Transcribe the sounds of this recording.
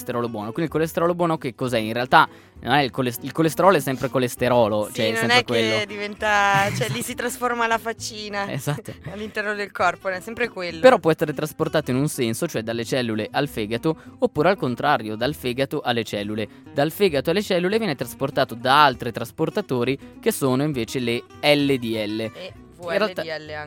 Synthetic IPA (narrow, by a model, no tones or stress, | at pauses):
st̪eɾɔːlobwɔːnokwind̪ilkolest̪eɾɔlobwɔːnokekːozɛinrealt̪a | no̰nɛilkolesilkolest̪eɾɔːloɛsːɛmpɾekolest̪eɾɔːlot͡ʃoɛnsoɛmnɛɾekwelːod̪ivɛnt̪at͡ʃɛlːisit̪ɾasformalafat͡ʃːiːnaḛzat̪ːoalːint̪ɛrnod̪elkɔrpoɛsɛmpɾekwelːopeɾɔpːwɔɛsːeɾet̪ɾasport̪aːt̪oinunsɛnsot͡ʃoɛd̪alːet͡ʃɛlːuleʔalfɛːɡat̪oopːuːɾealkont̪ɾaːɾjod̪alfeːɡat̪oʔalːet͡ʃɛlːule | d̪alfɛːɡat̪oalːet͡ʃɛlːulevjɛːnet̪ɾasport̪aːt̪od̪aalt̪ɾit̪ɾasport̪at̪oːɾik̟esoːnoiɱveːt͡ʃele | ɛlːed̪iɛlːe | irrealɛlː